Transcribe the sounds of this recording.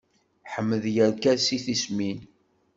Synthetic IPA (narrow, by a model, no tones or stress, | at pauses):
ħəmːəðjəɾkæɾsiθismin